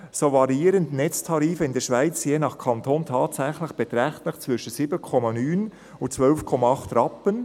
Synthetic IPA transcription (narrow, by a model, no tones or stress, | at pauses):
soːvɑɾiːɾəntnɛt͡stʰɑɾiːfəɪndɛːʃvaɪt͡sjeːnɑχkʰɑntʰoːntʰɑːtsɛχlɪxb̥ɛtɾɛχtlɪxt͡svɪʃən̩siːbənkʰɔmɑnyːn | ʊt͡svœlfkʰɔmɑɑχtɾɑpən